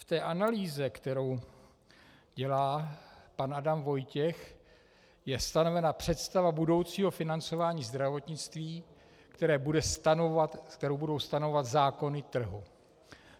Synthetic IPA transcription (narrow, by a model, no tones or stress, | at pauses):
ft̪ɛːʔanaliːzɛkt̪ɛɾo̞w | ɟɛlaːpanʔadamvo̞jcɛx | jɛst̪ano̞vɛnapr̝̥ɛt̪st̪avabudo̞wt͡siːɦo̞fɪnant͡so̞vaːɲiːzd̪ɾavo̞t̪ɲɪt͡st̪viː | kt̪ɛɾɛːbudɛst̪anovat̪k̚t̪ɛɾowbudo̞wst̪anovvat̪zaːko̞nɪt̪r̩ɦu